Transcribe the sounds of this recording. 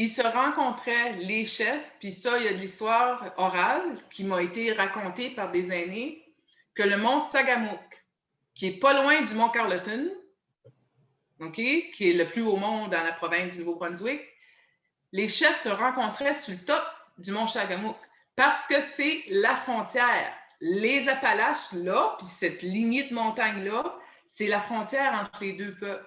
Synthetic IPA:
ilsəʁɑ̃kɔ̃t̪ʁɛleʃɛfpɥisʌijad̪əlist̪waːʁɔʁalkʲimɔet̪eʁakɔ̃t̪epaʁd̪ezane | kələmɔ̃saɡamʊkː | iɛpʌlwɛ̃d̪ymɔ̃kaʁlɔt̪ɔn | okʲekʲʰiɛləplyomɔ̃d̪d̪ːɑ̃lapʁɔvɛ̃sd̪ynuvobʁɔ̃nzwɪk | leʃɛfsəʁɑ̃kɔ̃t̪ʁɛsulət̪ɔp̚d̪ymɔ̃saɡamʊk | paʁsə̥kəsɛlafχɔ̃t̪jɛːʁlezapalaʃlʌpisɛt̪liɲed̪əmɔ̃ːt̪aɲlʌ | sɛlafχɔ̃t̪jɛːʁɑ̃t̪χəled̪øːpœpl

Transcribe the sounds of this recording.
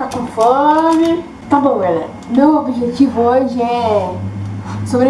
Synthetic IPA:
kakõfɔɾɾmɪ | t̪abõvɛlɐ̰ | mewobiʒet͡ʃivʊoʒɪɛ | sobɾe

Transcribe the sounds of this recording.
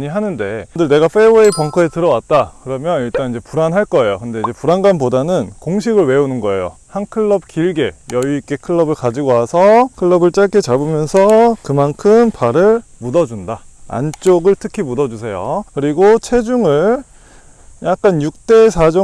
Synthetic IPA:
ɲiɦanɯnde̞dɯɭne̞ɡaɸe̞uepʌŋkʰʌetɯɾʌwat̚t͈akɯɾʌmjʌniɭt͈anid͡ʑe̞puɾanɦaɭk͈ʌe̞jokɯnde̞id͡ʑe̞puɾanɡanpodanɯnkoŋɕ̬ʰiɡɯɭwe̞unɯnɡʌe̞̰jo̰hankʰɯɭːʌb̚kiɭɡe̞jʌik͈e̞kʰɯɭːʌbɯɭkad͡ʑiɡoɦasʰʌkʰɯɭːʌbɯɭt͡ɕ͈aɭk͈ʰet͡ɕabumjʌnsʰʌkɯmankʰɯmpaɾɯɭmudʌd͡ʑundaa̰nt͡ɕ͈oɡɯɭtʰɯkʰimudʌd͡ʑusʰe̞jo̰kɯɾiɡot͡ɕʰe̞d͡ʑuŋɯɭ | jak̚k͈anjuk̚t͈e̞sʰad͡ʑʌ

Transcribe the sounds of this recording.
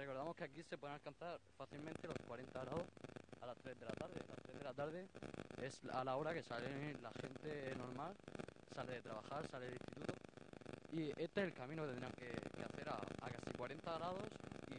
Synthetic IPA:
reko̞ɾðamo̞skeakise̞p̬we̞ðenalkanθaɾfaθilmẽnt̪elo̞skwaɾe̞nt̪aɣɾaðo̞salast̪ɾe̞zðe̞lat̪aɾðe̞̰la̰st̪ɾe̞ððe̞lat̪aɾð̞e̞e̞salao̞ɾake̞salelaxe̞nt̪e̞no̞ɾmalsaleðet̪ɾaβaxaɾsaleelist̪it̪ut̪o | ie̞st̪eselkamĩnok̪enɾiaŋkekea̰θe̞ɾa̰ːkasikwaɾe̞nt̪aɣɾað̞o̞si

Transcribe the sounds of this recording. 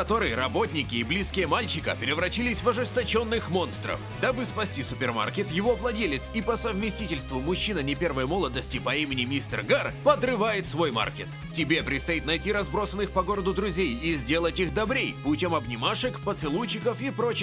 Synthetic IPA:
kɐt̪o̞ɾɨjəɾɐbo̞tʲnʲɪkʲɪːblʲiskʲɪjəmalʲt͡ɕɪkə̰pʲɪɾʲɪvɾɐt͡ɕilʲɪsʲvɐʐɨst̪ɐt͡ɕo̞nːɨxmo̞nst̪ɾə̰fd̪abɨspɐsʲtʲisʊpʲɪrma̰rkʲɪt̪jɪvo̞vlˠɐdʲelʲɪt̪sipəsəvmʲɪsʲtʲitʲɪlʲst̪vʊmʊɕːinənʲɪpʲe̞rvəjmo̞lˠəd̪əsʲtʲɪpɐimʲɪnʲɪmʲist̪ə̰rɡarpəd̪rɨvajɪt̪svo̞jma̰rkʲet̪ | tʲɪbʲe̞pɾʲɪt̪st̪ɐit̪nɐjtʲiɾɐzbɾo̞sənːɨxpɐɡo̞ɾəd̪ʊd̪ɾʊzʲejizʲdʲe̞lˠətʲixd̪ɐbɾʲejpʊtʲomɐbnʲɪmaʂɨkpət̪sɨlˠut͡ɕːɪkəfipɾot͡ɕɪ

